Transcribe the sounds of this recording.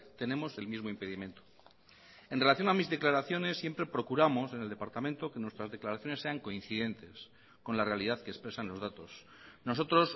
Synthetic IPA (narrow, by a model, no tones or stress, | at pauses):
t̪e̞nẽ̞mo̞se̞lmizmoimpe̞ðimẽ̞nt̪o | enrelaθjo̞namizðe̞klaɾaθjo̞ne̞sːje̞mpɾe̞pɾo̞kuɾamo̞se̞neld̪e̞paɾt̪amẽnt̪o̞ke̞nwest̪ɾazðe̞klaɾaθjo̞ne̞sːe̞aŋko̞in̟θiðe̞nt̪e̞s | ko̞nlare̞alið̞aðkespɾe̞sanlo̞zðat̪o̞s | no̞so̞t̪ɾo̞s